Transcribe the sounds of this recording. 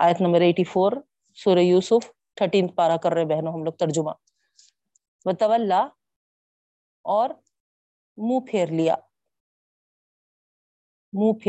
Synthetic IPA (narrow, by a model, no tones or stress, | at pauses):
aːjət̪nɐmbəɾeːʈifʰoːɾ | suːɾejuːsʊfʰ | ʈ̪ʰəʈĩːnt̪̚paːɾakɐɾːɐɦẽbɛɦnõɦɐmloːk̚t̪ɐɾd͡ʒʊmãː | ʋɐt̪ɐʋəlːa | ɔːɾ | mũːpʰeːɾlija̰ː | mũːpʰe